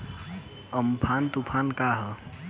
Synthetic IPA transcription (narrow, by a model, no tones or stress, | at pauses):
əmpʰaːnt̪upʰaːnkaːɦə